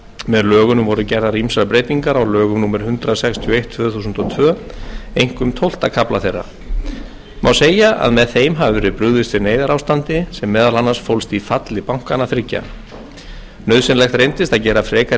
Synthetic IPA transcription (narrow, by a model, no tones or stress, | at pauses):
mɛðlœːɣʏnʏmvɔɾʏcɛɾðaɾimsɾapɾeːjt̪iŋkaɾawlœːɣʏmnuːmɪɾ̥hʏnt̪ɾasɛkst̪ʰjɔejht̪ʰv̥œːθusʏnt̪ɔt̪ʰvœː | ejŋ̥kʏmt̪ʰowl̥t̪akʰaplaθejrːa̰ | ma̰wseːjaʔa̰ðmɛðθejmɦavɪvɛɾɪpɾʏɣðɪst̪vɪɾneːjðaɾawst̪ant̪ɪsɛmːɛːðalanːasfowlst̪ifat̪lɪpawŋ̥kanaθɾɪcːa̰ | nœɥðsɪnlɛxt̪ɾejnt̪ɪst̪aðcɛːɾafɾɛːka